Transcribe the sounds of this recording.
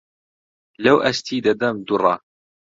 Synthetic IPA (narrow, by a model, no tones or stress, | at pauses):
lawʔast̪iːd̪ad̪amd̪ʊrˤɑ